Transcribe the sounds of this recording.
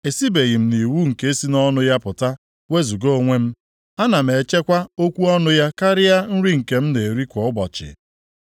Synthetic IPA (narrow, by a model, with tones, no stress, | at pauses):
e˨si˦be˨ɣi˨m̩˦ni˨wu˦ŋ̩˨ke˦e˦si˦nɔ˦nʊ˦ja˦pʊ˨ta˦ | we˦zu˨ɡo˦ŋʷe˦m̩˦ | a˦na˨m̩˨e˨t͡ʃe˦kʷa˦o˦kʷu˦ɔ˦nʊ˦ja˦ka˦ɾɪ˦ja˦n̩˦ɾi˦ŋ̩˨ke˨m̩˦ne˨e˨ɾi˦kʷɔ˨ʊ˦bɔ˨t͡ʃɪ̰˨